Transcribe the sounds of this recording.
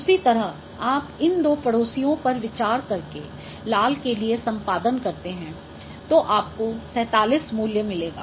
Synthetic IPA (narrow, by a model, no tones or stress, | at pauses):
ʊsit̪ɐɾəɦ | aːpɪnd̪oːpɐɽoːsijõpɐɾʋɪt͡ʃaːɾkɐɾke | laːlkeliesɐ̃mpaːd̪ənkɐɾt̪eɦɛ̃ | t̪oːʔaːp̚kosɛ̃ːt̪aːliːsmuːljəmɪleːɡa̰ː